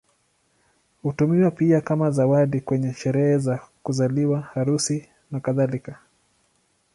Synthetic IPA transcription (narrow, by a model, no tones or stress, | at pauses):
hutumiwapiakamazawaɗikwɛɲɛʃɛɾɛhɛzakuzaliwahaɾusi | nakaðalika